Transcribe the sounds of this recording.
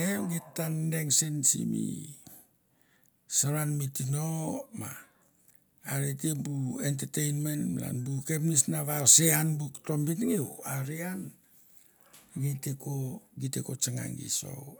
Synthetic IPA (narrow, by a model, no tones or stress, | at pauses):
eɡitːandeŋsinsḭmḭ | saɾanmitinoma | ɾetibuent̬etejnmentmla̰nbukepnisnaβaseanbukto̞mbitŋiuaɾian | ɡitekoɡitekot͡ʃaŋa̰ŋɡḭso̰